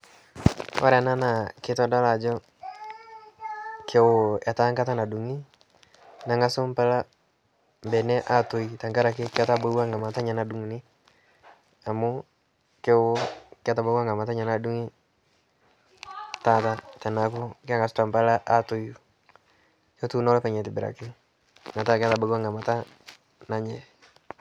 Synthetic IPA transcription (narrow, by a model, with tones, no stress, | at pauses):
ɔ̰˦ɾa˨na˦na˨ke˦tɔ˦da˦ɾa˨d͡ʒɔ˦ | kʰe˨wa˨ta˦ŋɡa˦ta˦na˨du˨ŋi˦ | na˨ŋɡa˦so˦mpa˦la˦ | mbɛ˨nɛ˦ʔa˦to˨i˨ta˨ŋɡa˦ɾa˨ke˦ke˦ata˦bo˦wa˦ŋɡa˨ma˨ta˦ɲa˨na˨du˨ŋ˨ne˦ | a˨mo˦ | ke˦wo˦kɪ˦a˦ta˨ba˦wa˦ŋɡa˨ma˨ta˦ɲa˨na˨du˦ŋi˦ | ta˦ta˦ta˨na˨ko˦kɪ˦a˦ŋɡa˨sota˨mpa˦la˦ʔa˦to˨ju˨ | jɔ˦tu˦nɔ˦lɔ˦pɛ˨ɲɛ˨tɪ˨bɪ˨ɾa̰˨kɪ˦ | na˨ta˦ka˦ta˨ba˨˦a˦ŋa˨ma˨ta˦ | na˨ɲɛ˨